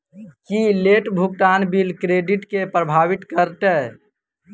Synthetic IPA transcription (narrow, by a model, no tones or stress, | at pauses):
kileʈbʱuk̚ʈ̪aːnbilkɾeːɖiʈkepɾəbʱaːʋɪt̪kəɾt̪ɛ